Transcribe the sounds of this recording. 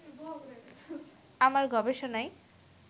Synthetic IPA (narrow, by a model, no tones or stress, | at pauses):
amaɾɡɔbeʃonaej